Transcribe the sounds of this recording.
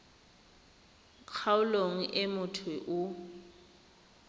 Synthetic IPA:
kʰaʊloŋ̩ʔemʊtʰʊʔʊ

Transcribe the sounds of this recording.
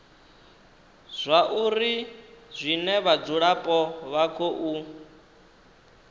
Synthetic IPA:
z̥ʷaʔuɾizʷinɛβad͡zuɺapʼɔβakʰoʔu

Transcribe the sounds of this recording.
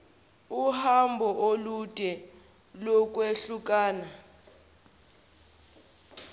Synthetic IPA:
uhambʱɔʔolud̥ʼʱɛ | lɔk̬ʼweɬuk̬ʼaːna

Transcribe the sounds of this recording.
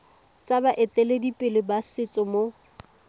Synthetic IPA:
t͡sʼabaʔɪtʼɛledipʼɪlɪbasɪt͡sʼɔmo

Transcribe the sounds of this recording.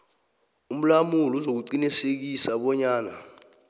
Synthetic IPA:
um̩lamuluzok̬uǀinisek̬isaɓɔɲaːna

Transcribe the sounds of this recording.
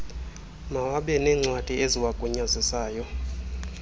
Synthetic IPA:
mawaɓɛnɛːŋ͡ǀwad̥ʱieziwaɡ̥ʱuɲazisaːjɔ

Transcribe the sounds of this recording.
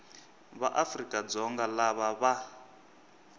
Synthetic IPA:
βaʔafrikʼad͡zɔŋɡalaβaβa

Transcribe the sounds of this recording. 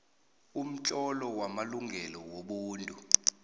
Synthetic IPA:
um̩t͡ɬʼɔlɔwamaluŋɡʱɛlɔwoɓuːntʼu

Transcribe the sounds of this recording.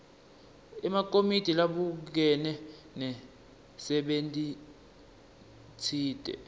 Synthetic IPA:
ɛmak̬ʼomid̥ʱilaɓuk̬ɛnɛ | nɛ | sɛɓentʼi | t͡sʰiːtʼɛ̰

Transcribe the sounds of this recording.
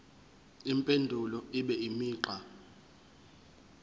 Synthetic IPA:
impʼendʱulɔiɓɛimiːǃa

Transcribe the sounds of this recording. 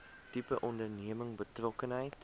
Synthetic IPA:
tipəʔɔndərniəməŋbətrɔkənɦəjt

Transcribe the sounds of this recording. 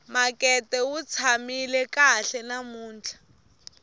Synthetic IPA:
makʼɛtʼɛwut͡sʰamilɛkaɬɛnamuːnt͡ɬʰḁ

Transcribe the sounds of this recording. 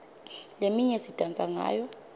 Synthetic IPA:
lemiɲɛsitʼand͡zʼʱaŋa̰ːjɔ

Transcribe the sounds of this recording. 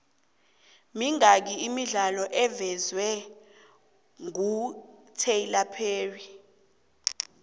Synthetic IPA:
miŋak̬iimiɮalɔʔɛvɛzwɛ | ŋutʰeilapʰeːri

